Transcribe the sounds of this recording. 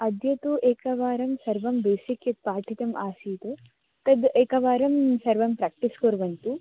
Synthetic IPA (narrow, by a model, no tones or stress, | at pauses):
ɐd̪jɐt̪uʔeːkɐʋaːɾɐmsɐɾʋɐmbeːsikjɐt̪̚paːʈʰit̪ɐmʔaːsiːt̪o | t̪ɐd̪eːkɐʋaːɾɐmsɐɾʋɐmpɾaːk̚ʈiskoɾʋɐɳʈ̪u